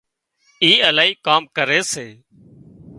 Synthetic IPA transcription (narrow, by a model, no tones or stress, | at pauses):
iːəlaːiːkaːmkəɾeːseː